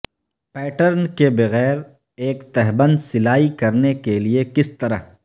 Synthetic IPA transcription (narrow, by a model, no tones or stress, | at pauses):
pɛːʈəɾnkebɐɣɛːɾ | eːkt̪ɛɦbə̃nd̪sɪlaːikɐɾnekeliekɪst̪ɐɾa̰ɦ